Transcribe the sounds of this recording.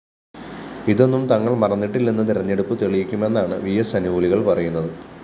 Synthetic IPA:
iðo̞nːumt̪ɐŋːɐɭmɐrɐnːiʈːilːenːɨt̪̬iɾɐɲːeɽupːɨt̪eɭijikʲːume̞nːaːɳɨʋijɐsɐniʋuɭiɣɐɭpɐrɐjunːɐðɨ

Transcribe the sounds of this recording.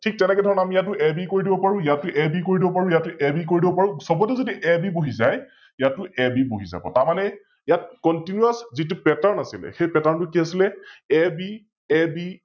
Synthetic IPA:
tʰik̚tɛnɛkɛdʱɔɹɔnɛamijatːʊʔɛbikoɹidibɔpaɹʊ̃jatːʊʔɛbikoɹidibɔpaɹũjatːuʔɛbik̬oɹidibɔpaɹʊ̃sɔbɔtɛzodiʔɛbiboɦizaj | jatːʊʔɛbiboɦiza̰bɔ̰taɹmanɛ | jat̚kɔntinuaszit̬upɛtaɹnasilɛ̰xejpɛtaɹntʊkiasilɛɛbi | ɛbi

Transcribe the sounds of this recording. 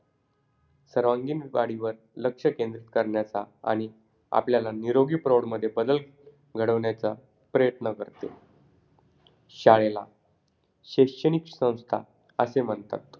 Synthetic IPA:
səɾʋãŋɡiːnʋaɽiʋəɾ | ləkʂəkẽnd̪ɾit̪kəɾɳjat͡saa̰ɽ̃i | a̰pljalaniɾoɡiːpɾoɽməd̪ʱːjebəd̪əl | ɡʱəɽəʋɳjat͡sa | pɾəjət̪nəkəɾt̪e | ɕaɭela̰ | ɕekʂəñiksə̃w̃st̪ʰa̰ | əsem̤əɳt̪a̰t̪̚

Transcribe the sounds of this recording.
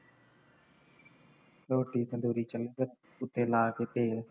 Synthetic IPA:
ɾoːʈiːt̪ʰəd̪uːɾiːt͡ʃələkə | ʊt̪ːeːlaːkeːt̪eːɾ

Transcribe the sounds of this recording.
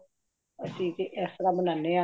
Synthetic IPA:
əsĩːt̪eʔɛsɾaːmənanːeã

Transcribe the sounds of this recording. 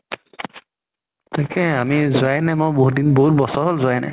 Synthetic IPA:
takʰɛamizajnɛmojboɦudinboɦut̚bɔsɔɦolzoajnɛ̰

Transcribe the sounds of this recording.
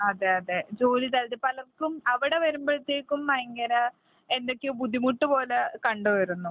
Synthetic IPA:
ɐðeɐðed͡ʑo̞ːlit̪ɐld̪ipɐlɐrkːumɐʋiɽe̞ʋɐɾumbɐɻt̪ːeːkːumːɐjɐŋɡɐɾɐ | end̪okʲːebud̪ʱːimuʈːupo̞ːlekɐɳɖuʋɐɾunːu

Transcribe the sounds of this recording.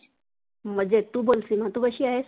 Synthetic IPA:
mɐd͡ʒet̪ubolsimãt̪ubɐʃiaɦes

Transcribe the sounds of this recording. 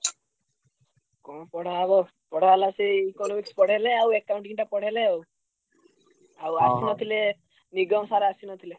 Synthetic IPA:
kɔpɔɽ̤abɔ | pɔɽ̤alasiikɔnɔmikspɔɽ̤eleawekaw̃ɳʈiŋiʈapɔɽ̤eleaw | awasinɔt̪ʰile | niɡɔmsaɾeasinɔt̪ʰile

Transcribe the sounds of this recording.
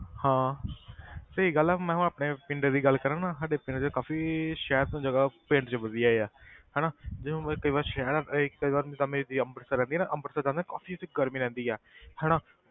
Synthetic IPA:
hãː | səiːɡəlɛːmɛ̃ːɦʊ̃ːaːpneːpɪɳɖeːd̪iːɡəlkəɾãːnãːsaːɖeːpɪ̃ɳʈt͡ʃːkaːfiːʃɛːɾt̪õːd͡ʒəɡaːpẽːɳʈt͡ʃəbəd̪ijaːeɛːhɛːnaːd͡ʒɪõːkəiːʋaːɾʃɛːɾɪkkəiːʋaːɾt̪aːmẽd̪iəmbəɾsəɾɛ̃nd̪iɛːnaːʔəmbəɾsəɾd͡ʒãːd̪ẽːkaːfiːt̪eɡəɾmiːɾɛ̃ːnd̪iːɛːhɛːɽaː

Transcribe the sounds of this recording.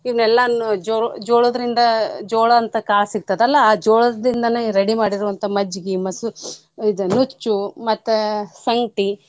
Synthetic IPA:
iʋnɛlːɐd͡ʒɔd͡ʒoːɭod̪ɐɾind̪ɐd͡ʒoːɭɐːnt̪ɐkaːlɐsiɡ̚t̪ɐd̪eɐlːɐːd͡ʒoːɭɐd̪ind̪ɐneɾɐɽimaːɽiɾuʋɐnt̪ʰɐmɐd͡ʒɡimɐsu | id̪unut͡ʃːumɐt̪ːesɐŋɡʈi

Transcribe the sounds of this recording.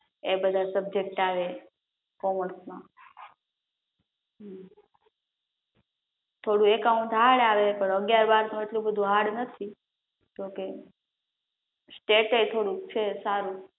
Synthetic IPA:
ebəd̪ʱasəbd͡ʒek̚ʈaʋe | kɔməɳsmã | ɦ | t̪ʰoɽũekaũt̪aɽaʋepəɳəɡjaɾbaɾnũeʈlũbəd̪ʱũɦaɽnət̪ʰi | d͡ʒõke | sʈeʈet̪ʰoɽũkt͡ʃʰesaɾũ

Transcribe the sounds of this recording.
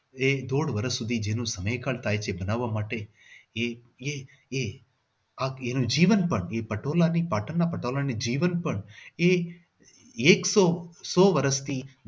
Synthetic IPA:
ed̪oːɽʋəɾəsːʊd̪ʱid͡ʒenũsəmejkalt̪ʰaːjt͡ʃʰebənaʋːamaʈe | e | e | e | aenũd͡ʒiʋənpəɳepəʈolanipaːʈənːapəʈolanid͡ʒiːʋənpəɳe | eːksosoʋəɾəst̪ʰi

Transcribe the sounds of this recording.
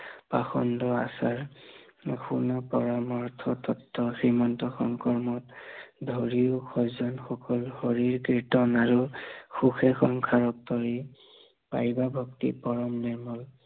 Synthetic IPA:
paxɔndɔa̰saɹ | xunɔpɔɹamɔɹtʰɔtʰɔtːɔxɹimɔntɔxɔŋkɔɹmɔtdʱɔɹiʊkʰɔzɔnxɔkɔlxoɹiɹkɹitɔnaɹuxuxɛxɔŋkʰaɹɔk̚tɔɹi | pa̰jbabʱɔktḭpɔɹɔmnɛɹmɔl

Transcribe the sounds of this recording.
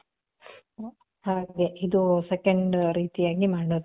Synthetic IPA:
aɡeid̪usekɐɳɖɾiːt̪ijaːɡimaːɳɖo

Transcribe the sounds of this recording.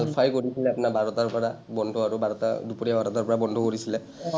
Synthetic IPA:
alpʰajkoɹisilɛapunabʱaɹɔtaɹpɔɹabɔndʱɔaɹubʱaɹɔta̰dupuɹiabʱaɾɔtaɹpɔɹabɔndʱɔkɔɹisilɛ

